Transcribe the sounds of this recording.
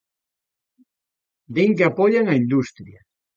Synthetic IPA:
d̪eŋkeapɔʎaŋaind̪ust̪ɾja

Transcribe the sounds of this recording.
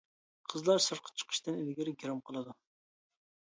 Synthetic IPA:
qʰəzlˠɑɾsɨɾqʰə̥t͡ʃʰə̥qʰə̥ʃt̪ɨnilɡʲɪɾɪɡʲiɾɑmqʰəlˠɨd̪u

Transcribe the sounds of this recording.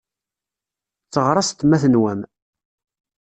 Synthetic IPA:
t͡sːəʁɾˤɑst̪mæθənwæm

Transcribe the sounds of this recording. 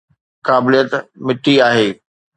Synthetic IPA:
kaːbɪlijət̪mɪʈːiaːɦeː

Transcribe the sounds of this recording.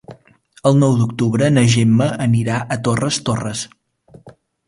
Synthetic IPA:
əlˠnɔwd̪ukt̪uβɾənəʒemːəəniɾaʔət̪orəst̪orəs

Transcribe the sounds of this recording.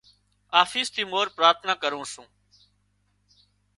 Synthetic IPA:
aːfiːst̪ʰiːmoːɾpɾaːɾt̪ʰənaːkəɾũːsũː

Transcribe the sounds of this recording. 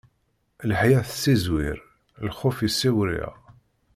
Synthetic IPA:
lħjæθsːizwɪ̰ɾ | lχʊfisːiwɾḭæ̰

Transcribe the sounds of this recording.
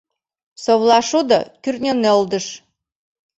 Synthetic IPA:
sowlˠɑʃud̪ɤ̰kʲyrt̪nʲeneolˠd̪əʃ

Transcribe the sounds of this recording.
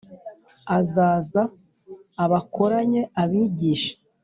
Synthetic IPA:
azaːzaː | βako̞ɾaɲe̞aβiːɟiːʃḁ

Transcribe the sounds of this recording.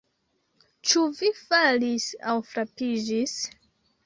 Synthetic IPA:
t͡ʃuvifalisa̰wfɾapid͡ʒis

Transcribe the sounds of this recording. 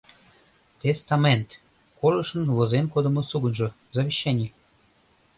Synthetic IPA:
t̪est̪ɑment̪ | kolɤ̆ʃə̆nβɤ̆zenkod̪ə̆mɤ̆suɡənʒɤ̆ | zɑβʲeɕːænʲi

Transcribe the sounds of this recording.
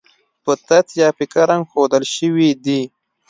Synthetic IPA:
pət̪at̪jɑpɪkaɾaŋɡxod̪əlʃəwid̪i

